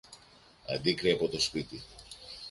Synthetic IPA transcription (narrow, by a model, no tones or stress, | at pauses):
ɐ̰d̪ikɾiɐpo̞t̪o̞spit̪i